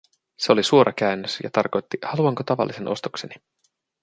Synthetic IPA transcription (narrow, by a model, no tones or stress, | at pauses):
se̞o̞lisuo̞ɾʔɑkæynːøsjɑ̰t̪ɑrko̞jt̪ːihɑluɑŋkot̪ɑʋɑ̰lːise̞nʔo̞̰st̪ukse̞ni